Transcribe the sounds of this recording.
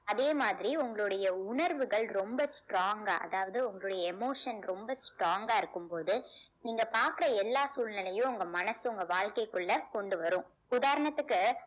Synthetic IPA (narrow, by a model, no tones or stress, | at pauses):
ɐðeːmaːðɪɾiʊŋɡɐɭɯɽɐjɐʊɳɐɾʋɯɣɐɭɾɔmbɐsʈɾoːŋɡaːʔɐ̰ðaːʋɐðɯʊŋɡɐɭɯɽɐjɐɛmoːʂɐnɾɔmbɐsʈɾoːŋɡaːɪɾɯkːɯmpoːðɯ | niːŋɡɐpaːɾkɯɾɐɛlːaːsuːlnɪlɐjʊ̃ʊŋɡɐmɐnɐsʊŋɡɐʋaːɭkɐɪkːɯɭːɐkɔɳɖɯʋɐɾʊ̃ː | ʊðaːɾɐɳɐt̪ːɯkːɯ